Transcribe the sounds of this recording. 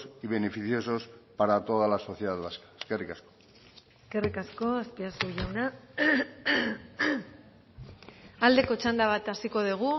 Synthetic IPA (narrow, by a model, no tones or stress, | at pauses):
siβe̞nefiθjo̞so̞spaɾat̪o̞ðalaso̞θje̞ðaðβaskḁeskerikasko̥ | eske̞rikasko̞aspiasuʝawna | ald̪e̞ko̞t͡ʃand̪aβ̞at̪asiko̞ð̞iɣ̞u